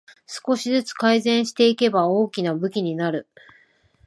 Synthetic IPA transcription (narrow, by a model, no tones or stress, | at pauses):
sɨ̥ko̞ɕizɨt͡sɨ̥kaizẽ̞ɰ̃ɕi̥t̪e̞ike̞bao̞ːkʲinabɯ̟kʲiɲ̟inaɾɯ̟